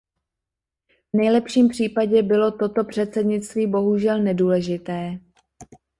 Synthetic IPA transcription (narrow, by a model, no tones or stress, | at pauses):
vnɛjlɛpʃiːmpr̝̥iːpaɟɛbɪlo̞t̪o̞t̪o̞pr̥ɛt̪t͡sɛdɲɪt͡st̪viːbo̞ɦuʒɛlnɛduːlɛʒɪt̪ɛː